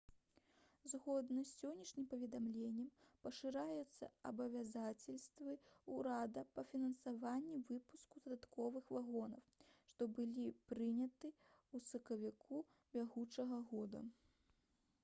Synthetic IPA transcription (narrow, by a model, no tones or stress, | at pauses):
zɣɔd̪nɐsʲɔnʲːɐʂnʲimpɐvʲɛd̪amlʲenʲːɛmpɐʂɨɾajut̪sːɐ̰ɐbɐvʲazat͡sʲɐlʲst̪vɨuɾad̪ɐpɐfʲinɐnsavanʲːivɨpuskud̪ɐd̪at̪kɔvɨxvaɣɔnɐ̰wʂt̪ɔbɨlʲipɾɨnʲɐt̪ɨ | usɐkɐvʲikʰu | bʲaɣut͡ʂɐɣɐɣɔd̪ɐ̰